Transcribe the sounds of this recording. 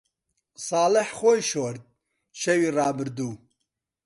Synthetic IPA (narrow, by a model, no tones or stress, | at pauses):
sɑːlɨħxojʃoːɾd̪̚ | ʃɛwiːrɑːbɨɾd̪uː